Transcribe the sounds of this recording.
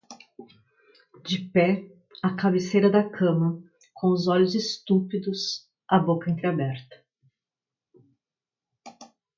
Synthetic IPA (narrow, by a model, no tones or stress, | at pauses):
d͡ʒɪpɛ | ɐkabɪsejɾɐd̪ɐkʰɐ̃mɐ | kʰõʊzɔʎʊzɪst̪upid̪ʊs | ɐbokɐẽnt̪ɾɪabɛɾt̪ɐ̥